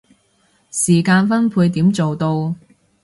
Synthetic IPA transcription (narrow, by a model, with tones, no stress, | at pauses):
siː˨˩kaː˧nfɐ˥npʰuː˧jt̪iː˨˥mt͡so˨wt̪o˧w